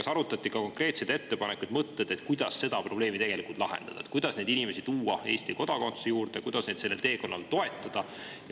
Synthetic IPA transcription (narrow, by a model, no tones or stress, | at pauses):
ɑsɑɾut̪ːˑɑt̪ˑːikɑko̞ŋkre̞ːt̪sejd̪̥e̞t̪ːe̞pɑne̞kːˑujd̪̥mɤt̪ːed̪̥e̞t̪ːˑkujd̪ɑsːe̞d̪̥ɑpro̞ble̞ːmit̪e̞ɡ̥e̞likˑult̪lɑɦḛnd̪̥ɑ̰d̪ɑet̪kujd̪̥ɑsne̞d̪inime̞sit̪uːɑe̞ːsʲt̪iko̞d̪̥ɑko̞nt̪u̥sejuːɾd̪̥ekujd̪̥ɑsned̪se̞lːelt̪e̞ːko̞nːɑ̰lt̪o̞e̞t̪ːˑɑd̪̥ɑ | j